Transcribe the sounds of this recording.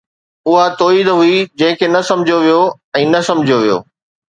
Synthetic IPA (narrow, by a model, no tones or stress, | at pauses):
ʊɦat̪oːiːd̪ɦʊid͡ʑɐ̃ɦɪ̃kʰenɐsɐ̃md͡ʑʱjoʋijo | ɛ̃ːnɐsɐ̃md͡ʑʱijoʋijo̰ː